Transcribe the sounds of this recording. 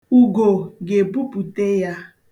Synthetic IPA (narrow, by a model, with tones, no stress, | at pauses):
u˨ɡo˨ɡe˨pu˦pu˨te˦ja˦